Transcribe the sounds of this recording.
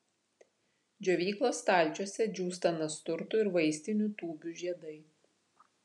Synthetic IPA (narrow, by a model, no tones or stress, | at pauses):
d͡ʒʲoʋʲiːklˠoːst̪ɑˑlʲˑt͡ʃʲuɔsʲɛd͡ʒʲuːst̪ɐnɐst̪ʊɾt̪ʊɪɾʋɐɪsʲt̪ʲɪnʲuːˑt̪uːbʲuʒʲiɛd̪ɐɪ